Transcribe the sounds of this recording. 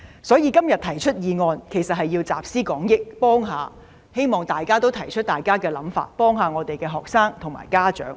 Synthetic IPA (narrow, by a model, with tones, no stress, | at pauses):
sɔː˨˥jiː˧kɐ˥mjɐ˨t̚t̪ʰɐ˨˩jt͡ʃʰɵ˥t̚jiː˨˧ŋɔː˧nkʰe˨˩jsɐ˨t̚hɐ˨jːiː˧wt͡sa̰ː˨p̚siː˥kɔː˨˥ŋjɪ˥k̚pɔː˥ŋɦaː˨˧ | he˥jmɔː˨ŋt̪aː˨jkaː˥t̪o˥wt̪ʰɐ˨˩jt͡ʃʰɵ˥t̚t̪aː˨jkaː˥kɛː˧lɐ˨˧˥mfa̰ː˧˩t̚pɔː˥ŋɦaː˨˧ŋɔː˨˧t̪e˨jkɛː˧ɦɔː˨k̚saː˥ŋt̪ʰʊ˨˩ŋma̰ː˨˩jkaː˥t͡ʃœ̰ː˨˥ŋ